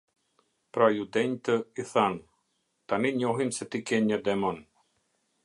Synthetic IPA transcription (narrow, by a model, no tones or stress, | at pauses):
pɾajud̪ɛɲʲt̪əiθan | t̪aniɲʲɔɦimsɛt̪ikɛɲʲad̪ɛmɔn